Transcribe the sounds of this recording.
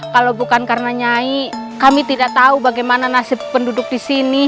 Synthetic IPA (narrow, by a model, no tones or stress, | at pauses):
kalowbukankarnaɲai | kamit̪idaʔt̪aubaɡajmananasɪpːəndudʊk̚disini